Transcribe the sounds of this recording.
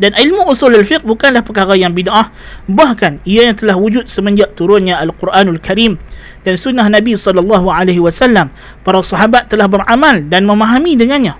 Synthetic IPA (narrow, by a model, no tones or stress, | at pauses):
danilmuʔusulalfɪq̚bukanlahpəkaɾajaŋbidʔah | bahkaniajaŋt̪əlahwud͡ʒʊt̪̚səməɲd͡ʒaʔt̪uɾʊnɲaʔalqʊrʔaːnalkaɾim | dansunːahnabisɔlɑlːɑɦuʕaleɦiwasalːam | paɾasɑɦabat̪ːəlahbəɾʔamaldanməmaɦamidəŋanɲa